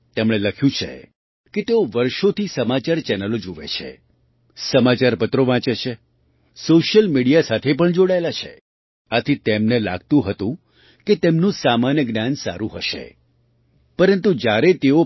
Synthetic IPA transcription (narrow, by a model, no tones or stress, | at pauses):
t̪emɽ̃eləkʰjũt͡ʃʰḛ | ket̪eoʋəɾʃot̪ʰisəmat͡ʃaɾt͡ʃɛnəlod͡ʒoʋḛt͡ʃʰḛ | səmat͡ʃaɾpət̪ɾoʋãt͡ʃet͡ʃʰe | soʃjəlmiɽijasat̪ʰep̬əɳd͡ʒoɽaelat͡ʃʰḛ | at̪ʰit̪emnela̰ɡ̚t̪ũɦət̪ũ | ket̪emnũsamanjəɡnjansa̰ɾũɦəʃḛ | pəɾənt̪ud͡ʒjaɾet̪eo